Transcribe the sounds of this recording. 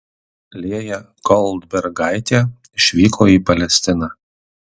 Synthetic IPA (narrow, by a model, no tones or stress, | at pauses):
lʲeːjɛ | kɔlˠd̪bʲɛɾɡɑˑɪt̪ʲeː | ɪʃʲʋʲiːkʰoːiːpɐlʲɛsʲt̪ʲɪnɑ